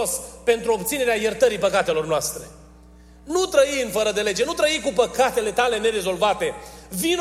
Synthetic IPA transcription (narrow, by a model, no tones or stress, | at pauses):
ospe̞nt̪ɾuobt̪sine̞ɾeajert̪əɾipəkat̪e̞lo̞rnoast̪ɾe̞ | nut̪ɾəiɨnfəɾəd̪e̞le̞d͡ʒe̞nut̪ɾəikupəkat̪e̞le̞t̪ale̞ne̞ɾe̞zo̞lvat̪e̞vin